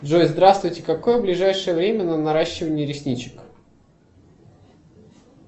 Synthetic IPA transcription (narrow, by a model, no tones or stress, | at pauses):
d̪ʐojzd̪ɾast̪vʊjtʲɪ̥kɐko̞jəblʲɪʐajʂəjəvɾʲemʲənənɐɾaɕːɪvənʲɪəɾʲɪsʲnʲit͡ɕɪ̥k